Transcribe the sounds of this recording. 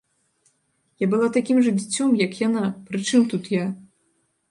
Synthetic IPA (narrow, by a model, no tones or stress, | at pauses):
jabɨlˠat̪akʲimʐɨd͡zʲit͡sʲːɔmjɐkjanapɾɨt͡ʂɨmt̪ut̪ja